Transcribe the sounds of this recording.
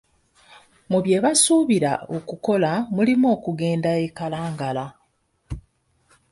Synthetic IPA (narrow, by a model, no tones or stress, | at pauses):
muβje̞ːβasuːβiɾa̰okuko̞lamulimo̞ːkuɡe̞ːndaekalaːŋɡala